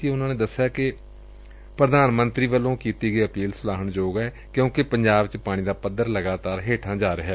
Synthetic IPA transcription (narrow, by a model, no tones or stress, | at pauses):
iʊnãːneːd̪əsːɪjaːkɪ | pɾəd̪aːnmənt̪ɾiːʋəlːõːkiːt̪iːɡəiːəpiːlsʊlaːɦəɳd͡ʒoːɡɛː | kjõːkɪpəɲd͡ʒaːbt͡ʃpaːɽ̃iːd̪aːpəd̪əɾləɡaːt̪aːɾɦeːʈʰãːd͡ʒaːɾɪɦɛː